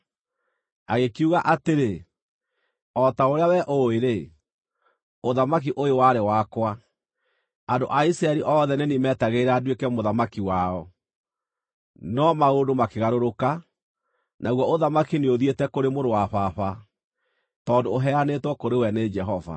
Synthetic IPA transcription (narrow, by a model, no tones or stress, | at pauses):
aɣekiuɣaʔateɾe | ɔtaoɾeawɛʔoeɾe | oðamak̬iʔojowaɾewakwa | ando̰ʔaisɾaɛɾiʔɔðɛnenimɛːtaɣeiɾaːdwekɛmoðamakiwaɔ | nɔmaodomakeɣaɾoɾoka | nʔaɣwɔoðamakineoðietɛkoɾemoɾowaβaβa | tɔːndoːɦɛanetwɔkoɾewɛned͡ʒɛɦɔva̰